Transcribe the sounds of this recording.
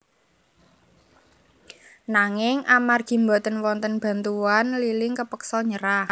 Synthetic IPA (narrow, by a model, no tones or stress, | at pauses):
naŋɪŋʔamarɡ̥i̤mbɔt̪ənwɔnt̪ənb̥a̤nt̪uanlilɪŋkəpəksɔɲəɾa